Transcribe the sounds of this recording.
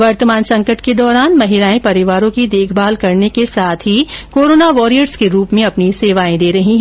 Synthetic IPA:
ʋɐɾt̪əmaːnsɐ̃ŋkəʈked̪ɔːɾaːnmɐɦɪɾaːẽpɐɾɪʋaːɾõkid̪eːkʰbaːlkɐɾnekesaːt̪ʰɦikoːɾoːnaʋɔːɾijəɾskeɾuːpmẽɐpniseːʋaːẽd̪eːɾɐɦĩɦɛ

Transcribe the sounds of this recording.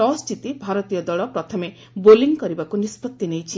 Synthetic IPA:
ɔsʈʰit̪ibʱaɾɔt̪ijɔd̪ɔɭɔpɾɔt̪ʰɔme | boliŋkɔɾibakunispɔt̪ːinejt͡ʃʰi

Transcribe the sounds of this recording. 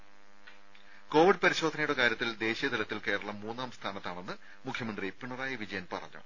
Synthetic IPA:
ko̞ːʋiɖ̚pɐɾiɕo̞ːd̪ʱɐnɐjuɽekaːɾjɐt̪ːild̪e̞ːɕijɐd̪ilɐt̪ːilke̞ːɽɐɭɐmːuːnːaːmst̪ʰaːnɐt̪ːaːɳe̞nːɨ | mukʰjɐmɐnd̪ripːiɳɐraːjɐʋid͡ʑɐjɐnpɐ̰rɐ̰ɲːɐ̰

